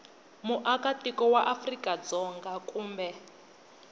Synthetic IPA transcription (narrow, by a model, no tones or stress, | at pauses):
muʔakatikɔwaʔafrikʼad͡zɔŋɡakʼuːmbɛ